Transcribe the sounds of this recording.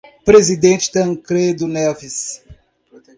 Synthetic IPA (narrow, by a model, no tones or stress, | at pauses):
pɾezid̪ẽnt͡ʃt̪ɐ̃ŋkɾed̪unɛvis